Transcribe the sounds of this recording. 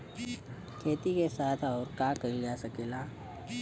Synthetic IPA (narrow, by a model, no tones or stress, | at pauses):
kʰeːt̪ikesaːt̪ʰɔːɾkaːkɐid͡ʒaːsɐkeːlaː